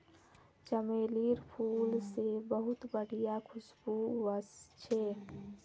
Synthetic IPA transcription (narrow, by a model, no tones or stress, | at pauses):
t͡ʃəmeːliɾpʰuːlsebəɦʊt̪bəɽ̤ijakʰʊsbuwəst͡ʃʰɛː